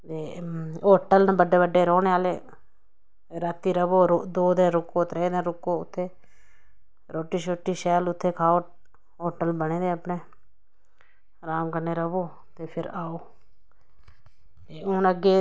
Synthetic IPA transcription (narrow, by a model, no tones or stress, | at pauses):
t̪eːoːʈəlnbəɖeːbəɖːeːɾɔːneːaːleː | ɾaːt̪ːiːɾəʋoːɾd̪oːd̪ənɾʊkoːt̪ɾeːd̪ənɾʊkːoːʊt̪ʰːeː | ɾoːʈːiːʃoːʈːiːʃɛːlʊt̪ʰːeːkʰaːoː | ɔːʈəlbəɽeːd̪eːəpneː | ɾaːmkəneːɾəʋoː | t̪eːpʰɪɾaːoː | t̪eːʊnəɡeː